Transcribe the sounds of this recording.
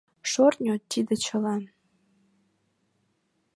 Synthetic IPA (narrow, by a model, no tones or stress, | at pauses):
ʃornʲot̪id̪ĕt͡ɕɤ̆lɑn